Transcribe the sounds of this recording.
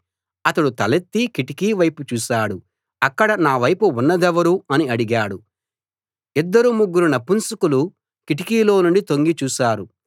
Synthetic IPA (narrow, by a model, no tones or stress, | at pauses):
ɐt̪ɐɽut̪ɐlet̪ːikiʈikiːʋɐjput͡ʃuːsaːɽu | ɐkːɐɽɐnaːʋɐjpuunːɐd̪ɛʋɐɾuɐniɐɽiɡaːɽu | id̪ːɐɾumuɡːuɾunɐpːunsukulu | kiʈikiːlo̞ːnuɳɖit̪o̞ŋɡit͡ʃuːsaːɾu